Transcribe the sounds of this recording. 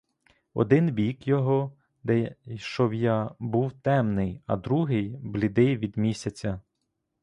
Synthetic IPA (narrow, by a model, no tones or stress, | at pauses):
ɔ̰d̪ɪnbʲikjɔɦɔ | d̪ɛʃt͡ʃɔbjabuwt̪ɛmnɪjɐ̰d̪ɾuɦɪjblʲɪd̪ɪjʋʲid̪mʲisʲɐt͡sʲɐ